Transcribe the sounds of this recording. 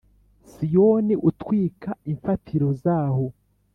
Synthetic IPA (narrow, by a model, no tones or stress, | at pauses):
sijoniʔutwiːkʰaiɱfatʰiɾo̞zaːho̞